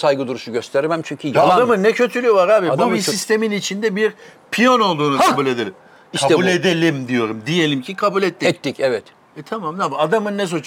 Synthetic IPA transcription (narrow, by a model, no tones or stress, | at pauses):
sajɡɯd̪uɾuʃuɟøst̪ʰeɾmæmt͡ʃʰyɲcʰyjaamɯnːɛcʰø̞t̪ʰylʲyjolˠaɾaːbidubisist̪ʰe̞minit͡ʃʰind̪ɛbiɾ | pʰijono̞lˠd̪uːnʰabulʲe̞d̪elʲim | iʃaɛbulʲed̪elʲimd̪ijo̞ɾumd̪ije̞lʲimcʰikʰabulʲɛt̪ːiɛtc̪ːicɛvɛt̪ | ɛt̪ʰamamnabad̪amɯnːɛs̬ot͡ʃ